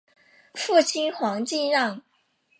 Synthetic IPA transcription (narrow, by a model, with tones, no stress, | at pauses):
fu˥˩t͡ɕʰi˥nxwɑ˧˥ŋt͡ɕi˥˧nɻɑ˥˩ŋ